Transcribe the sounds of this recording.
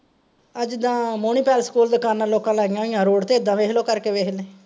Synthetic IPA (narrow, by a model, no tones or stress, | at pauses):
əd͡ʒd̪ãːmoːniːpɛːlskuːld̪əkaːnːaːloːkãːlaːɡɪjãːɪjãːɾoːɽt̪eːɪd̪ãːʋeːɦloːkəɾkeːʋeːɦleː